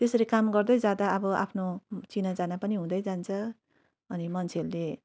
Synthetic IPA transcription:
t̪esʌɾekamɡʌrd̪ʌjd͡zad̪aʌbʌʔa̰pʰnot͡sinad͡zanapʌniɦũd̪ʌjd͡zant͡sʰʌ | ʌnimʌnt͡sʰeʌɾule

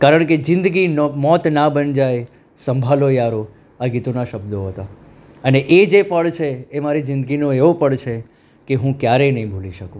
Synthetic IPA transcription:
kaɾəɳ̃ked͡ʒɪ̃nd̪ɡinmɔt̪nabənd͡ʒaj | sə̃mbʱalojaɾo | aɡit̪onaʃəbd̪oɦət̪a | əneʔed͡ʒepəɭt͡ʃʰeːmaɾid͡ʒɪ̃nd̪əɡinõeʋopəɭt͡ʃʰe | keɦũkjaɾenəɦĩbʱuliʃəkũ

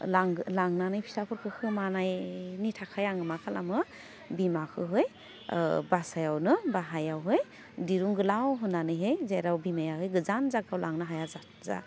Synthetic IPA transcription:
laŋlaŋnanajpʰi̥sapʰɯɾkʰɯkʰɯmanajnitʰakʰajaŋɯmakʰala̰mɯ | bimakʰɯɦɯj | basajawnɯbaɦajawɦɯj | diɾuŋɡɯlawɦɯnːanɯjɦejzeɾawbimajahɯjɡɯzanzaɡawlaŋnɯɦajaza | za̰

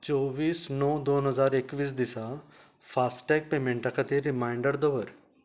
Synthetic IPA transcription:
t͡ʃɔːʋiːsnɔːd̪oːnɦəzaːɾekʋiːs̬d̪ɪsa | fʰaːsʈɛːk̚peːmẽɳʈakʰɐt̪eɾɪmaːɪɳɖəɾd̪ɔːʋəɾ

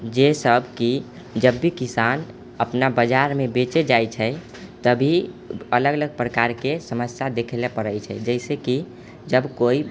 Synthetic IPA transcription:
d͡ʒesəbʱki | d͡ʒəbːikisan | əpnabəd͡ʒaɾmebet͡ʃed͡ʒajt͡ʃʰɛ | t̪əbʱiələɡələɡ̚pɾəkaɾkesəməsjad̪ekʰlepəɾəjt͡ʃʰɛ̰d͡ʒəɛɪseki | d͡ʒəbkoi

